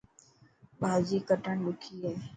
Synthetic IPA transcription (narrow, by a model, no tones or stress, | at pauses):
bʱaːd͡ʑiːkəʈəɳɗʊkʰiːɦeː